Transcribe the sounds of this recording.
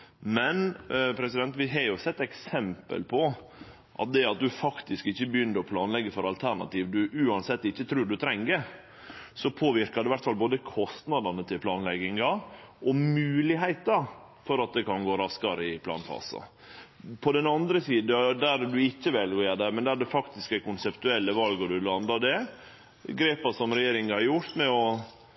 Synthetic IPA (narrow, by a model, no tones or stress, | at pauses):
mɛnpʰɾɛsɪd̪ɛnt̪ʋɪɦɑɾjʊsɛt̪ːɛksɛmpə̰lpʰɔ | ʔɑ̰t̪̚d̪ɛɑt̪̚d̪ʉfɑkt̪ɪskɪçːəbəjʏnːəɾɔpʰlɑːnlɛɡːəfɔɾɑlt̪ʰæɾɳɑ̰t̪iːʋd̪ʉʔʉːɑnsɛt̪ːɪçːət̪ʰɾʉːɾɖʉt̪ʰɾɛŋːə | sɔpʰoːʋɪɾkɑɾɛɪʋæɾʈ̪fɑlboːd̪əkʰɔst̪nɑd̪ɑnət̪ʰɪlpʰlɑːnlɛɡɪŋɑʔɔmʉːlɪɦæɪt̪ɑ | fɔɾɑt̪̚d̪ɛkɑnɡoːɾɑskɑɾəɪpʰlɑ̰ːnfɑ̰ːsɑ̰ | pʰɔd̪ɛnɑnd̪ɾəsiːd̪d̪æɾd̪ʉɪçːəʋɛlɡojæd̪ɛmɛnd̪æɖɛfɑkt̪ɪskæɪkʊnsɛpt̪ʉɛlːəʋɑlɡɔd̪ʉlɑnd̪ɑd̪ɛ | ɡɾeːpɑsɔmɾɛjeːɾɪŋhɑɾjʊɾt̪mɛɔ